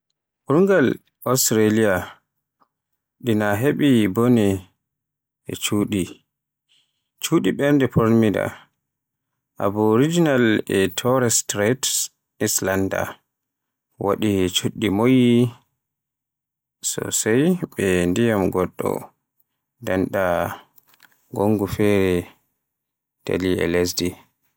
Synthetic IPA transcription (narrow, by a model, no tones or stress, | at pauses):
uɾŋɡal | ɔstɾalija | ɗinaɦeɓibɔnɛ | ɛ̰t͡ʃuːɗi | t͡ʃuɗiɓɛɾndɛpʰɔɾmida̰ | ʔa̰bɔɾid͡ʒinalɛtʰɔɾɛstɾɛt | islanda̰ | wa̰ɗit͡ʃuɗːimoji | sɔ̰sajɓɛndijamɡɔɗːɔ̰ | danɗa | ɡoŋɡufɛɾɛ | tʰa̰liɛ̰les̬di